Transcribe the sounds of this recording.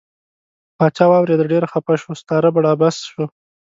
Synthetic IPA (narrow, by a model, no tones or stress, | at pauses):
pɑt͡ʃɑwɑwɾed̪aɖeɾaxapaʃwost̪ɑɾabaɽɑbasʃo